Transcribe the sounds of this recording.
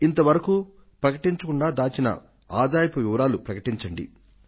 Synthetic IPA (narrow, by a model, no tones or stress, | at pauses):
int̪ɐʋɐɾɐkuː | pɾɐkɐʈiɲt͡ʃɐkuɳɖaːd̪aːt͡ʃinɐ̰ | a̰ːd̪aːjɐpuʋiʋɐɾaːlupɾɐkɐʈiɲt͡ʃɐɳɖḭ